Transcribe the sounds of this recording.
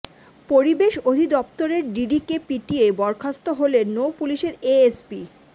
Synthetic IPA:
poɾibeʃod̪ʱid̪ɔp̚t̪oɾeɾɖiɖikepiʈijebɔɾkʰast̪oɦolenːowpuliʃeɾeespi

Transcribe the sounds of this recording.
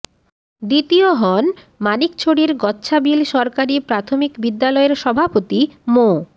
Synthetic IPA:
d̪it̪ioɦɔn | manikt͡ɕʰoɽiɾɡɔtːɕʰabilʃɔɾkaɾipɾat̪ʰomikbid̪ːalɔeɾʃɔbʱapot̪imo

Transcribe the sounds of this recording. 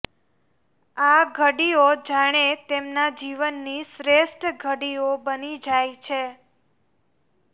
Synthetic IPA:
aɡʱəɽiod͡ʒaɽ̃et̪emnad͡ʒiʋənːisɾesʈɡʱəɽiobənid͡ʒajt͡ʃʰe

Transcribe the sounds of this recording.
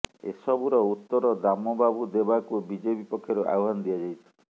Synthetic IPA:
ḛsɔbuɾɔut̪ːɔɾɔd̪amɔbabʱud̪ebakubid͡ʒebipɔkʰːjɔɾeʔa̰joɦanɔd̪ijad͡ʒajt̪ʰɔ̥

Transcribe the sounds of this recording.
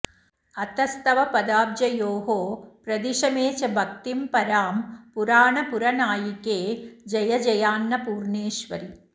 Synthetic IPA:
ɐt̪ɐst̪ɐʋɐpɐd̪aːbd͡ʒɐjoːɦoːpɾɐd̪iʂɐmeːt͡ʃɐbʱɐk̚t̪impɐɾaːmpuɾaːɳɐpuɾɐnaːjikeːd͡ʒɐjɐd͡ʒɐjaːnːɐpuːɾɳeːʃʋɐɾi

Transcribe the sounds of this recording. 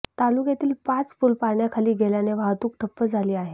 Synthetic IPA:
t̪alukjat̪iːlpãt͡sfuːlpaɳjakʰaliːɡeljaneʋaɦt̪uːk̚ʈʰəpːəd͡zʱaliːaɦe

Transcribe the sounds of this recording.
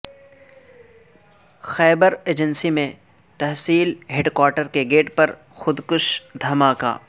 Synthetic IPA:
xɛːbəɾeːd͡ʒənsimẽ | t̪ɐɦsiːlɦeɖkwaːɾʈəɾkeɡeːʈpɐɾ | xʊd̪kʊʃd̪ʱɐmaːka̰ː

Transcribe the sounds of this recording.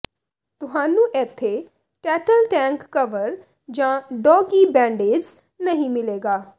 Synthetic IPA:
t̪ʊɦaːnũːʔɛːt̪ʰːe | ʈɛːʈəlʈɛ̃ːŋkːəʋəɾ | d͡ʒãːɖɔːɡibɛ̃ːɳɖeːd͡ʒ | nɐɦĩmɪleːɡaː

